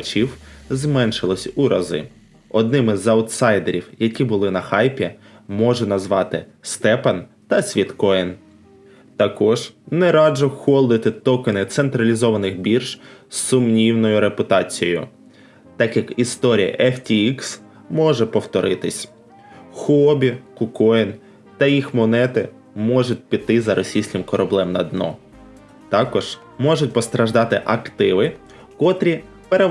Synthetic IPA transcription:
ɐt͡ʃiwzmɛnʃɪlˠɔsʲuɾɐzɪ̰ | ɔd̪̚nɪmɪzɐwt̪sɑjd̪eɾʲiwjɐkʲibʊlˠɪnɐxɑjpʲi | mɔʒɛnɐzʋɑt̪ɪst̪ɛpɐn | t̪ɐsʲʋʲit̪kɔjn | t̪ɐkɔʒnɛɾɑd͡ʒɔxɔlˠd̪ɪt̪ɪt̪ɔkɪnɪt̪sent̪ɾɐlʲizɔʋɐnɪxbʲirʒsʊmnʲiwnɔjʊɾepʊt̪ɑt͡sʲijɔ̰jʊ̰ | t̪ɑkjɐkist̪ɔɾʲijɐ̰ʔɛftʲiiks | mɔʒɛpɔwt̪ɔɾɪt̪ɪsʲ | xɔbʲikʊkɔjn | t̪ɐjixmɔnɛt̪ɪ | mɔʒʊt̚ʲpʲit̪ːɪzɐɾʔɔsʲijsʲkʲɪmkɔɾɐblˠɛmnɐd̪nɔ̰ | t̪ɑkɔʒ̥ | mɔʒʊtʲpɔst̪ɾɐʒd̪ɑt̪ɪʔɐkt̪ɪʋɪ | kɔt̪ɾʲi | peɾe

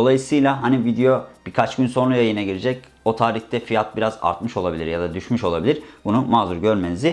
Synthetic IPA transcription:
o̞lˠajɯsɯjlʲˠaɦanivid̪ejo̞b̥ikʰat͡ʃɟynso̞nˠujajɯnaɟiɾed͡ʒɛc | o̞t̪ʰaːɾiçt̪ʰɛfijat̪̚biɾaza̰ɾt̪mɯʃo̞lˠabilʲiɾjad̪ad̪yʃmyʃo̞lˠabilʲiɾ̥bunumaːzuɾɟøɾme̞nizɪ

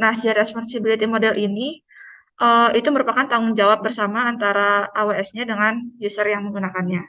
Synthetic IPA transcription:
nahsiaɾiɛspɔnsibilit̪imodɛlʔini | ʔəit̪uməɾupakant̪aŋʊŋd͡ʒawap̚bərsamaːnt̪aɾaːweɛsɲadəŋanjusərjaŋməŋɡunakanɲa

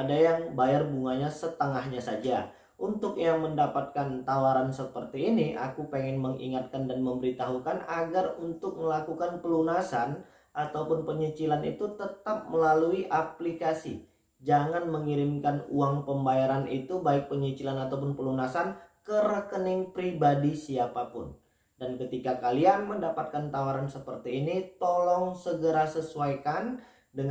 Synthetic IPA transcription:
adajaŋbajarbuŋaɲasət̪əŋahɲasad͡ʒa | ʔunt̪ʊk̚jaməndapat̪̚kant̪awaɾansəpərt̪iːniʔa̰kupeŋɛnməŋḭŋat̪̚kandanməmbəɾit̪aɦukanaɡarunt̪ʊk̚məlakukanpəlunasan | ʔat̪awpʊnpəɲit͡ʃilanit̪ut̪ət̪ap̚məlaluiʔaplikasi | d͡ʒaŋanməŋiɾɪmkanuaŋpəmbajaɾanit̪ubaɪk̚pəɲit͡ʃilanat̪awp̬ʊnpəlunasankəɾəkənɪŋpɾibadisiapapʊ̰n | dankət̪ikakalianməndapat̪̚kant̪awaɾansəpərt̪iːnit̪ɔlɔŋsəɡəɾasəsuajkan | dəŋ

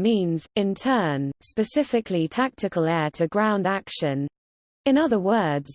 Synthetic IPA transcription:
mĩːnzɪ̃ntʰɜːnspəsɪfɪkʰlitʰak̚tʰɪkəlɛːtʰəɡɹãʊ̃ndakʃə̃n | ɪ̃nʌðəwɜːdz̥

